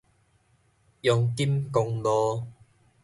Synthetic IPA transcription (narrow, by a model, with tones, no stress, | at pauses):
jʊ˨˧ŋki˦˥mkʊ˧ŋlɔː˧